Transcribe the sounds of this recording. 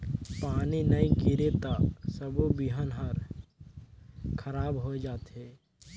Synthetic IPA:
paːninɐĩkiɾet̪asəbobiɦənɦəɾ | kʰəɾaːbɦod͡ʒaːt̪ɦɛː

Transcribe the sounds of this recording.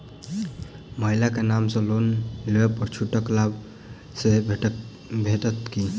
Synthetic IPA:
məɦilakenamsʌ̃lonleepəɾt͡ʃʰuʈəklab | se | bʱeʈət̪ki

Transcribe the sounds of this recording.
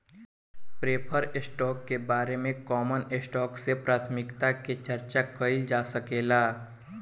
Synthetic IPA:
pɾeːpʰəɾɪsʈɔːkːebaːɾemẽkɔːmənɪsʈɔːksepɾaːt̪ʰmɪkt̪aket͡ʃɐɾt͡ʃakəɪld͡ʒaːsɐkeːlaː

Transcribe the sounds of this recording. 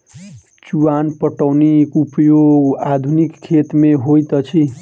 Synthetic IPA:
t͡ʃuwanpəʈawnikupjoɡad̪ʱunikʰːet̪meɦojt̪ʌt͡ʃʰi

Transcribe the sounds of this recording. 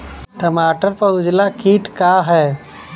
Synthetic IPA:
ʈəmaːʈəɾpəʊd͡ʒlakʰiːʈkaɦɛː

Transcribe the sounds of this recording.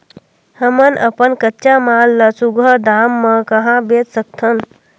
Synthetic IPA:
həmənʔɐ̰pənkətːt͡ʃamaːlːɐsuɡəd̪aːmːəkɐɦãbeːt̪sək̚t̪ʰən

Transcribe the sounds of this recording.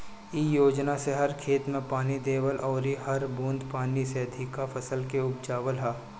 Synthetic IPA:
iːjoːd͡ʒnaseɦɐɾkʰeːt̪mẽpaːnid̪eːwəlʔɔːɾiɦɐɾbũːnd̪paːniseɐd̪ʱɪkːafʰɐsəlkeʊbd͡ʒaːʋəlɦɛː

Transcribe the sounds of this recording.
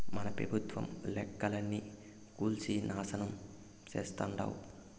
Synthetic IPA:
mɐnɐpɾɐ̰bʱut̪ʋɐ̰mlɛkːɐlɐnːi | kuːlsiːnaːsɐnɐm | t͡ʃeːst̪aɳɖa̰ːwu

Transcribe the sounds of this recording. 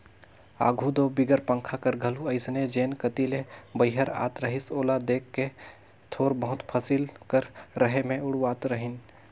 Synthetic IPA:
a̰ːɡʱud̪obɪɡəɾpə̃ŋkʰakəɾɡʱɐluəɪsned͡ʒeːnkət̪ilebəɪɦəɾa̰ːt̪ɾəɦɪsoːlad̪eːkːe | t̪ʰoːɾbəɦʊt̪pʰəsɪlkəɾɾəɦemẽʊɽuaːt̪ɾəɦɪn

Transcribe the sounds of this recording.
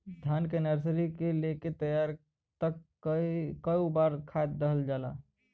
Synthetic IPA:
d̪ʱjankenəɾsɾikeleket̪əjaɾ | t̪ək | kəjubaɾkʰat̪̚d̪əɦəld͡ʒala̰

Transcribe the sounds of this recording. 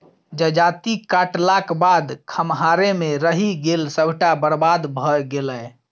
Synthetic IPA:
d͡ʒəd͡ʒat̪ikaʈlakbad̪kʰəmɦaɾemeɾəɦiɡelsəbʱʈabəɾbad̪bʱəɡelə

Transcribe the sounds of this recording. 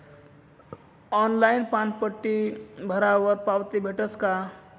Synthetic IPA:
ɔnlainpãnpəʈːibʱəɾawəɾpawt̪ibʱeʈəska

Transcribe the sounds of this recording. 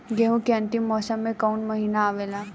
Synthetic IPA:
ɡeɦũkeɐ̃nt̪imːɔːsəmːẽkaunmɐɦiːnaːʋeːla

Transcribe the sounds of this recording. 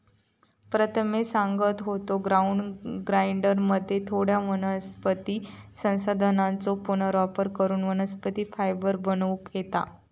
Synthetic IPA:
pɾət̪ʰəmesãŋɡət̪ɦot̪oɡɾauɳɖɡɾajɳɖəɾməd̪ʱːjet̪ʰoɽjamənəspət̪iːsə̃w̃sad̪ʱənãnt͡sopunəɾɔfəɾkəɾuːnʋənəspət̪iːfajbəɾbənʋukjet̪a̰

